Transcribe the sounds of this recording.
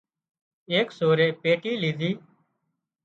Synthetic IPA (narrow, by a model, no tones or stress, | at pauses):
eːksoːɾeːpeːʈiːliːd̪ʱiː